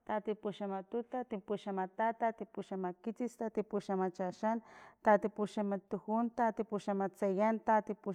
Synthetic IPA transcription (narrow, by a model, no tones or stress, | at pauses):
t̪at̪ipuʃamat̪ut̪at̪ipuʃamat̪at̪at̪ipuʃamakit͡sist̪at̪ipuʃamat͡ʃaʃant̪at̪ipuʃamat̪uhunt̪at̪ipuʃamat͡sajant̪at̪ipu